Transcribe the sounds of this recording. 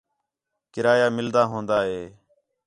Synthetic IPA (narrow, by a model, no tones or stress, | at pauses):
kɪɾaːjaːmɪld̪aːɦõːnd̪aːɦeː